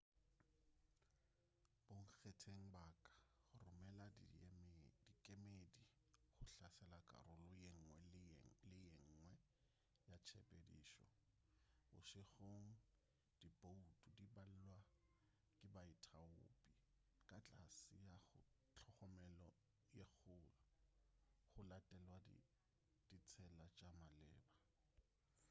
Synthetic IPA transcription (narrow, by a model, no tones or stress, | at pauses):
b̥oŋ̩k͡xetʰeŋ̩bakʼḁχʊrʊmɛlamd̥ikʼemedi | χʊɬasɛlakʼa̰ɾʊlʊŋ̩wɛlɪɪŋ̩ŋwɛ | jat͡ʃʰepʼediːʃɔ̰ | bʊ̰ʃɪχoŋ̩ | d̥ibʼoutʼudibal̩lwa | kʼɪbaɪtʰaʊ̰ːpʼi | kʼat͡ɬʼasɪjaχʊ | t͡ɬʰɔχɔmɛlɔ | jeχʊ | χʊlatʼɛlwadḭ | d̥it͡sʰɛlat͡ʃʼamalɛːba